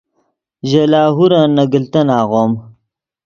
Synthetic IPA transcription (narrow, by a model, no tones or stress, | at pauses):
ʑelaːɦuɾanɐɡəlt̪ɐnaːɣoːm